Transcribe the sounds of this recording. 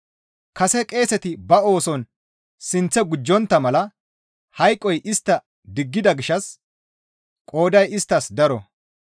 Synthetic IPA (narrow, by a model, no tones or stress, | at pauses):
kɐsɛkʼe̞ːsɛt̪ɪbɐo̞ːsɔn | sɪnt͡sːɛɡʊd͡ʒːɔnt̪ːɐmɐlɐ | hɐjkʼːɔjʔɪst̪ːɐ | d̪ɪɡːɪd̪ɐɡɪʃːɐs | kʼo̞ːd̪ɐjɪst̪ːɐsd̪ɐɾɔ̰